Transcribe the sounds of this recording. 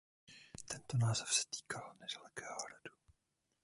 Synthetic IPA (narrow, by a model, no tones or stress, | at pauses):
t̪ɛnt̪onaːzɛfsɛ̥t̪i̥ːkʰalnɛd̥alɛkɛːhoɾadu̥